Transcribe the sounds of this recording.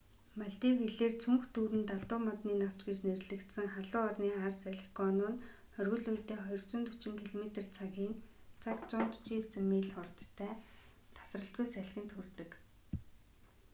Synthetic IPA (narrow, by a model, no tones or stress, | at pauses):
maɮt̪iːwxeɮeːrt͡sʰuŋxt̪uːɾɘ̆nt̪aɮt̪ʊːmɔt̪niːnaw̥t͡ɕɡiːt͡ɕnerɮɘ̆kt̪sɘ̆ŋχaɮʊːɔrniːarsæɮ̆ʲxɡɔnʊːn | χœrɣɵ̆ɮujt̪eːχɔjɞ̆rwt͡sɞ̆nt̪ʰɵ̥t͡ɕɪ̆ŋkʰiɮɔmet̪ĕrt͡sʰaɣiːnt͡sʰakt͡sʊnt̪ʊ̥t͡ɕiːt͡sɵmiːɮχʊrt̪ʰːæːt̪ʰḁsrə̆ɬt̪ɡujsæɮxʲɘ̆nt̪xɵrt̪ɘ̆k